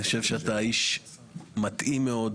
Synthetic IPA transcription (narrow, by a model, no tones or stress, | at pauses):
ʃevʃeat̪aiʃ | mat̪ʔimːeo̞d